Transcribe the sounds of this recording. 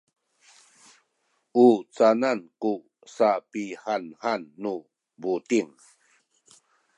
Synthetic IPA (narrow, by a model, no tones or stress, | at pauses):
ut͡sananku | sapihanhanːu | butiŋ